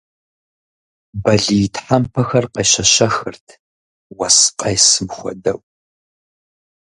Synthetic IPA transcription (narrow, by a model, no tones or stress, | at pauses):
bɐɮijɪtʰħampʰɐxɐrqɐjɕɐɕɐxɨrtʰ | wɐsqʼɐjsɨmxʷɔ̰dɐw